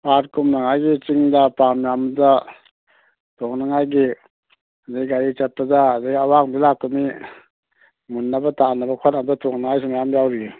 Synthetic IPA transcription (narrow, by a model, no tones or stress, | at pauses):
paɾkumnaŋajɡit͡ʃiŋdapamjamza | tʰɔŋnaŋajɡi | azaɡaɾit͡ʃat̚pazaːzajɡiawaŋbilak̚umi | munːabatanabakʰatnamdatʰɔŋnaŋajs̬imajamjawɾi